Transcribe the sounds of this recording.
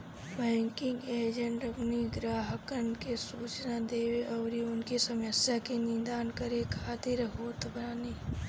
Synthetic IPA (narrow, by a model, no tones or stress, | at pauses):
bɛ̃ːŋkɪ̃ŋɡeːd͡ʒə̃ɳʈəpniɡɾaːɦəkəɾɳkesuːt͡ʃnad̪eːweʔɔːɾiʊnkisəməsjakenɪ̃nd̪aːnkəɾekʰaːt̪ɪɾɦoːt̪bɾaːni